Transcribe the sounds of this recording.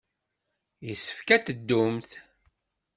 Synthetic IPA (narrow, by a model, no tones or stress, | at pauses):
jəsːə̥fkæt̪əd̪ːʊmθ